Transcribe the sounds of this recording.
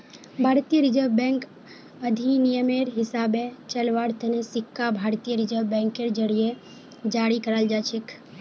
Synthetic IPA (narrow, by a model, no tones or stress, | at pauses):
bʱaːɾt̪ijəɾid͡ʒəʋbɛ̃ŋk | əd̪ʱinijəmeɾɦɪsabet͡ʃəlʋaɾt̪ʰənesɪkːabʱaɾt̪ijəɾɪd͡ʒəʋbɛ̃ŋkeɾd͡ʒəɽije | d͡ʒaɽikəɾəld͡ʒat͡ʃʰek